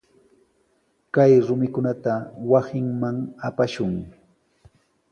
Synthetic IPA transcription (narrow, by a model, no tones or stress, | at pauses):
kajɾʊmɪkʊnat̪awasɪŋmaŋapaʃʊŋ